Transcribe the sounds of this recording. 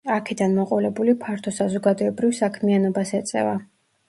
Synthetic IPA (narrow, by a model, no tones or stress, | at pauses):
akʰɛd̪anmɔqʼɔlɛbulipʰaɾt̪ʰɔsazɔɡad̪ɔɛbɾivsakʰmianɔbasɛt̪sʼɛ̰va